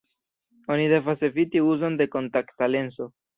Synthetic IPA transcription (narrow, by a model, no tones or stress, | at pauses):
o̞nide̞vasefit̪iuzo̞nde̞ko̞ntaktale̞nso̞